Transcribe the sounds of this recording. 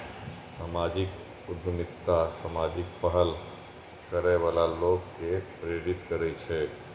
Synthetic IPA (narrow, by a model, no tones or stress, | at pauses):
samad͡ʒɪk | ʊd̪ʱmɪt̪ːasamad͡ʒɪk̚pəɦəl | kəɾɛʋalaloɡkepɾeɾit̪kəɾɛt͡ʃʰɛ